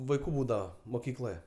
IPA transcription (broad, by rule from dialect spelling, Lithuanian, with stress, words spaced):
ʋɐɪˈkuː ˈbuːdɐʋɐ moːˈkʲiːklˠoːjɛ